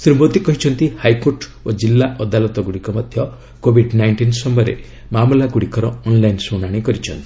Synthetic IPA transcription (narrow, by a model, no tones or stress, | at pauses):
sɾimot̪ikɔɦit͡ʃʰɔnt̪ihajkoɾʈ | od͡ʒilːaʔɔd̪alɔt̪ɔɡuɽikɔmɔd̪ʱjɔ | kobʱiɖnajɳʈinsɔmɔɾḛ | mamlaɡuɽikɔɾɔɔnlajnsoɽ̃aɽ̃ikɔɾit͡ʃʰɔnt̪i̥